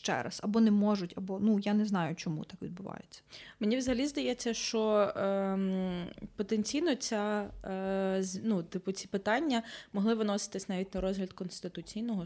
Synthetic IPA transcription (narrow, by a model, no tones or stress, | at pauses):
ʃt͡ʃɛ̰ɾɐ̰sɐbɔnɛmɔʒʊtʲɐbɔnujanɛznɑjʊt͡ʃɔmṵt̪akʋʲid̪̚bʊʋɑ̰jet͡sʲːɐ̥menʲiʋzɐɦɐlʲizd̪ɐjɛt͡sʲːɐʃt͡ʃɔ | pɔt̪enʲt͡sʲijnɔt͡sʲa | zʲnut̪ɪpʊt͡sʲi̥pɪt̪ɑnʲːɐmɔɦlˠɪʋɪnɔsɪ̥t̪ɪsʲnɑʋʲitʲnɐɾɔzɦlʲɐt̪kɔnst̪ɪt̪ʊt͡sʲijnɔɦɔ